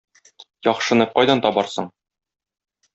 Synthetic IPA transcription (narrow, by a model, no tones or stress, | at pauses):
jɒχʃɤ̆nɤp̚qɒjd̪ɑnt̪ɒbɑɾsɤɴ